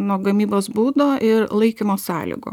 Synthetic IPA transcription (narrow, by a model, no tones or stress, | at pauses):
noːɡɐmʲiːboːsbuːd̪oːʔɪɾlˠɐɪkʲɪmoːsɑːlʲɪ̰ɡo̰ː